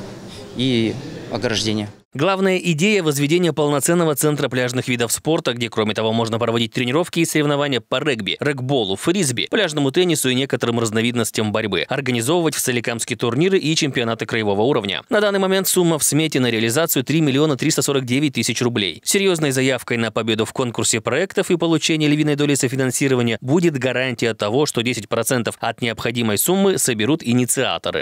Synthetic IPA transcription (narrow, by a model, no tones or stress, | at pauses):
iɐ̰ɡɾɐʐdʲenʲɪjə | ɡlˠavnəjəʔɪdʲejəvəzvʲɪdʲenʲɪjəpəlˠnɐt̪sɛnːəvət̪sɛnt̪ɾəplʲaʐnɨxvʲid̪əfspo̞rt̪əɡdʲekɾomʲɪt̪ɐvo̞mo̞ʐnəpɾəvɐdʲit̚ʲt̪ɾʲɪnʲɪɾo̞fkʲɪːsəɾʲɪvnɐvanʲɪjəpɐrɛɡbʲɪ̰rɛɡbo̞lˠʊfɾʲizbʲɪ̰plʲaʐnəmʊt̪ɛnʲːɪsʊinʲekət̪əɾɨmrəznɐvʲid̪nəsʲtʲɪjəmbɐɾʲbɨ̰ɐrɡənʲɪzo̞vəvətʲft̪sɛlʲɪkamskʲɪjt̪ʊrnʲiɾɨʔit͡ɕɪmʲpʲɪɐnat̪ɨkɾəjɪvo̞vəuɾəvnʲə̰nɐd̪anːɨjmɐmʲe̞nt̪sumːəfsmʲetʲɪnəɾʲɪɐlʲɪzat̪sɨjʊt̪ɾʲimʲɪlʲɪo̞nət̪ɾʲist̪əso̞ɾək̚dʲevʲɪt̚ʲt̪ɨsʲɪt͡ɕrʊblʲḛjsʲɪɾʲjo̞znəjzɐjafkəjnəpɐbʲe̞d̪ʊfko̞nkʊrsʲɪpɾɐɛkt̪əfɨpəlˠʊt͡ɕenʲɪjəlʲɪvʲid̪nəjd̪o̞lʲɪsəfʲɪnɐnsʲiɾəvənʲɪjəbudʲɪt̪ɡɐɾanʲtʲɪjət̪ɐvo̞ʂt̪o̞dʲesʲɪtʲpɾɐt̪sɛnt̪əfɐt̪nʲɪəpxɐdʲiməjsumːɨsəbʲɪɾut̪ɪnʲɪt̪sɨa̰t̪ə̰ɾɨ̰